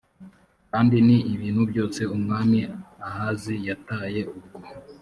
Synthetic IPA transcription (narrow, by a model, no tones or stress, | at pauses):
kaːndiniːβiːn̥hubɟo̞ːse̞umŋaːmiahaːzijataːje̞ub̚ɡo